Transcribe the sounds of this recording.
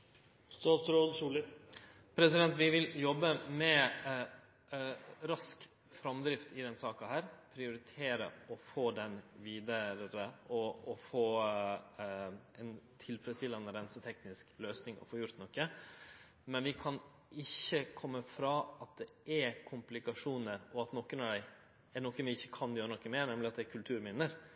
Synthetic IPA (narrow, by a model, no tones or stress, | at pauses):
st̪ɑːt̪sɾoːd̪ʂuːlə | pʰɾɛsɪd̪ɛnt̪ʋɪʋɪljɔbːəmɛ | ɾɑsk | fɾɑmd̪ɾɪft̪ɪd̪ɛnsɑːkɑhæːɾpʰɾɪʊɾɪt̪ʰeːɾə̰ɔfoːd̪ɛnʋiːd̪əɾəʔɔɔfoː | ɛnt̪ʰɪlfɾəst̪ʰɪlːɑnəɾɛnsət̪ʰɛknɪskløːsnɪŋɔ̰foːjʊɾt̪nɔkːə | mɛnʋɪkʰɑn | ʔɪçːəkʰɔmːəfɾɑːɑt̪̚d̪ɛ | ɛkʰʊmplɪkɑʂuːnəɾɔɑt̪nɔkːənɑd̪æɪ | ɛnɔkːənʋɪɪçːəkʰɑnjøːɾənɔkːəmeːnɛmlɪɑt̪̚d̪ɛkʰʉlt̪ʰʉːɾmɪnəɾ